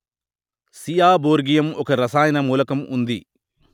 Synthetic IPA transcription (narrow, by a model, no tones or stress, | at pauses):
sijaːboːɾɡijɐmɔkɐɾɐsaːjɐnɐmuːlɐkɐmṵnd̪i